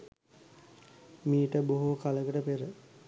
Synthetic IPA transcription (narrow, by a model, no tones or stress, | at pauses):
miːʈəboɦukaləkəʈəpeɾə